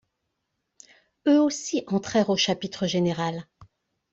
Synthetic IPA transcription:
øosiʔɑ̃t̪χɛʁoʃapit̪χəʒeneʁal

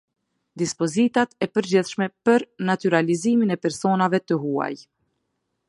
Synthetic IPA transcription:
d̪ispɔzit̪at̪ɛpəɾd͡ʑiθʃmɛpəɾnat̪yɾaliziminɛpɛɾsɔnavɛt̪əɦua̰j

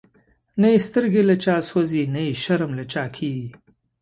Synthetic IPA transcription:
naist̪əɾɡelɐt͡ʃaːswozinaiʃɐɾamlat͡ʃaːkʰiːɡi

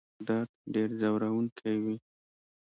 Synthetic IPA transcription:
d̪ɑt̪ɖeɾzawɾawuŋkʰewi

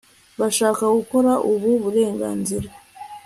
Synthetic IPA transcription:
βaʃaːkaɡuko̞ɾaʔuβuβuɾe̞ːŋɡa̰ːnziɾa

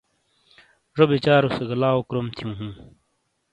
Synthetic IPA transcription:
ʐobit͡ɕaːɾuseɡɐlaːokɾomt̪ʰijũːɦũː

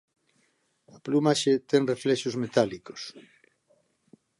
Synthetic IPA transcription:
aplumaʃet̪eŋreflɛʃozmet̪aliko̥s

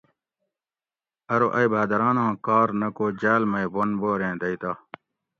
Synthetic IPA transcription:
ɐɾoʔɐjbʱaːd̪ɐɾaːnãːkaːɾnɐkoːd͡ʑaːlmɐibonboːɾẽːd̪ɐit̪aː

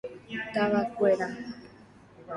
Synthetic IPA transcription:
t̪aβakʷeɾa

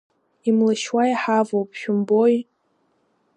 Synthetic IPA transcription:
imlɨʃwaiħavowp̚ʰʼʃᶣʊmboj

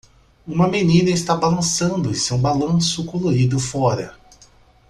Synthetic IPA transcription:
ũmɐmenĩnɐɪst̪abalɐ̃sɐ̃nd̪ʊẽsewbalɐ̃sʊkoloɾid̪ʊfɔɾɐ

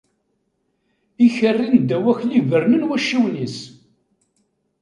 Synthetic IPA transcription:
içərːind̪æwæçlivəɾmənwæʃːiwnis

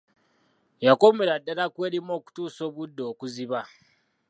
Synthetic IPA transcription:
jakomeɾadːalakwe̞ːɾimo̞ːku̥tuːso̞ːβudːo̞ːkuziβa

